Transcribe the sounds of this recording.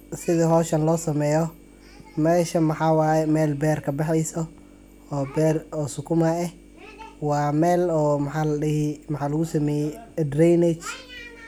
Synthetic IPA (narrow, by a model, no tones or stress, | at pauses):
sɪðɐɦɔːʃɐnlɔːsɐmɛːjɔ | mɛːʃɐmɐħɑːwɑːjɛmɛːlbɛːrkʰɐbɛħɛjsɔ | ɔːbɛːrɔːsʊkʰʊmaɛh | wɑːmɛːlɔːmɐħɑlɪhmɐħɑːlɐɣʊsɐmɛjɛd̪rɛnɛt͡ʃ